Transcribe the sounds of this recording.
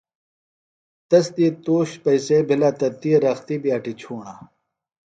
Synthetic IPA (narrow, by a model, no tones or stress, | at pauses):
t̪ɐsd̪iːt̪oːɕpɐjsebʱilaːt̪ɐt̪iːɾɐxt̪iːbijaːʈit͡ɕʰuːɳaː